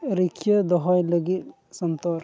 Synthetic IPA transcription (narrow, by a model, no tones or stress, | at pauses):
ɾikʰjəd̪ɔɦɔjləɡit̪ | sɔnt̪ɔɾ